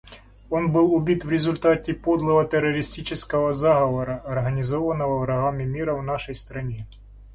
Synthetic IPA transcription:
o̞nbɨlˠʊbʲit̪vɾʲɪzʊlʲt̪atʲɪpod̪lˠəvɐt̪ɛɾːəɾʲɪsʲtʲit͡ɕɪskəvɐzaɣɐvɐɾɐʔɐrɣənʲɪzo̞vɐnːəvɐvɾɐɣamʲɪmʲiɾɐvnaʂəjst̪ɾɐnʲe

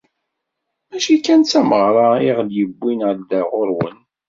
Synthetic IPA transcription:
mæʃikænt͡sːæməʁɾˤɑɪʁljəbːinəɾd̪æʁʊɾwə̰n

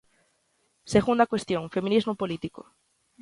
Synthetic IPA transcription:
seɣund̪akwest̪jõŋfemĩnizmopolit̪iko̰

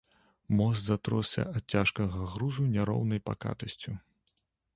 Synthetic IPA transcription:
mɔst̪zat̪ɾɔssʲɐ̰ʔɐt̪̚t͡sʲaʂkɐɣɐɣɾuzunʲaɾɔ̰wnɐjpa̰ka̰t̪ɐsʲt͡sʲu

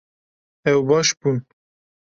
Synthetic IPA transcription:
ɛwbɑːʃbun

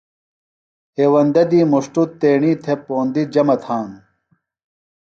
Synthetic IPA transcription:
heːwɐnd̪ɐd̪iːmuʂʈut̪ːeːɳiːt̪ʰepoːnd̪id͡ʑɐmɐt̪ʰaːn

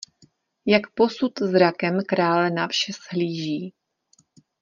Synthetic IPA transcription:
jakpo̞sut̪zɾakɛmkɾaːlɛnafʃɛsɦliːʒiː

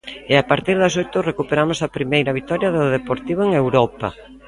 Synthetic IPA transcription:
ɪapaɾt̪iɾðɐs̬ojt̪ʊrekupeɾamʊsɐpɾimejɾɐβ̞it̪ɔɾjɐðʊðepoɾt̪iβʊeŋewɾɔpɐ̰

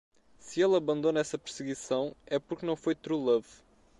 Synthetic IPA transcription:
sɨelˠɐβɐ̃nd̪onɐɛsɐpɨɾsɨɣisɐ̃w̃ɛpuɾknɐ̃w̃fojt̪ɾulˠɐv

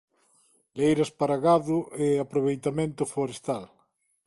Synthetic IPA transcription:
lejɾɐspaɾaɣaðʊʔeapɾoβ̞ejt̪amẽnt̪ʊfoɾest̪al

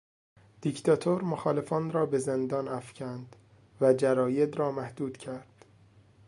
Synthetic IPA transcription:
d̪̥ict̪ʰɒt̪ʰoɾmoxɒːle̞fɒːnɾɒːbe̞zend̪ɒːnæfcʰænd̪̥ | væd͡ʒæɾɒːje̞d̪ɾɒːmæhd̪uːd̪̥cʰæɾd̪̥

